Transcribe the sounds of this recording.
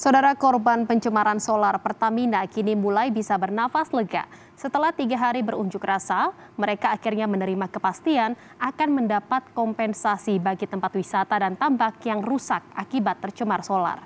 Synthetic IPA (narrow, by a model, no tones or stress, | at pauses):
sawdaɾakɔrbanpəɲt͡ʃəmaɾansolarpərt̪aminakinimulajbisabərnafasləɡa̰ʔ | sət̪əlaht̪iɡaɦaɾibəɾuɲd͡ʒʊkrasa | məɾekaːkirɲamənəɾimakəpast̪ian | akanməndapat̪̚kɔmpɛnsasibaɡit̪əmpat̪̚wisat̪adant̪ambakjaŋrusak̚akibat̪ːərt͡ʃəmarsola̰r